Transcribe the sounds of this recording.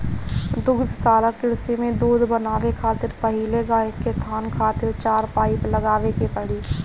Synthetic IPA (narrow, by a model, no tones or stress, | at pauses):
d̪ʊɡd̪ʱsaːlakɪɽsemẽd̪uːd̪ʱbənaːʋekʰaːt̪ɪɾpɐɦɪleɡaːɪket̪ʰaːnkʰaːt̪ɪɾt͡ʃaːɾpaːɪpləɡaːʋekepəɽiː